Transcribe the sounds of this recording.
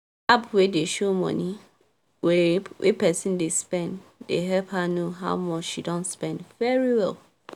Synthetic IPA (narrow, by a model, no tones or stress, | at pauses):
apwedeʃomɔ̰̃ni | wɛwʔḛpʰɛsɪ̃ndespɛ̃nddḛɦɛlphanoɦa̰ʊmɔt͡ʃʃidɔ̃nspɛ̃ndvɛɹiwɛl